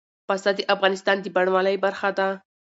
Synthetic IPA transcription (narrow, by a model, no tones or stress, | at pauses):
past̪ɑd̪əʔafɣɑnɪst̪ɑnd̪əbaɽwaləjbaɾxad̪a